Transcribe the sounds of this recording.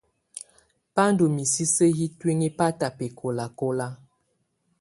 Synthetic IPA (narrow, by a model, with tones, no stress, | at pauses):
pa˦ndo˨mi˨si˦se˦ɦi˦twi˦ŋi˦pa˦ta˨pe˨kʰo˨la˨ko˦la˦